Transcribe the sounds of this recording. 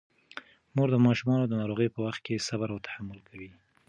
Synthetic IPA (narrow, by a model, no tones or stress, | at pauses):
moɾd̪əmɑʃumɑnod̪ənɑɾoɣəjpəwaxt̪̚kesaβaɾawt̪ḁħamːʊlkʰawi